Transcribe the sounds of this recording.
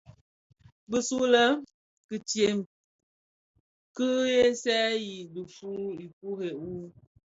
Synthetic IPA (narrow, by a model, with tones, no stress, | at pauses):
bə˨su˦lə˦ | kɨ˨tje˨m | kɨ˦je˦sɛ˦ji˨də˨fu˦i˨ku˦ɦe˨u˦